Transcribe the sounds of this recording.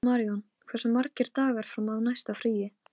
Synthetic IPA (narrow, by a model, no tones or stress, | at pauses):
maːɾiɔn | kʰvɛsʏmaɾcɪɾ̥t̪aːɣaɾ̥fɾamaðnajst̪afɾiːjɪ